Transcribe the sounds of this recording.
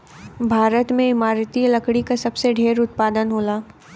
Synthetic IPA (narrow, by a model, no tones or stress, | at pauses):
bʱaːɾət̪mẽɪmaːɾt̪ilɐkɽikasɐbseɖʱeːɾʊt̪̚paːd̪ənɦoːlaː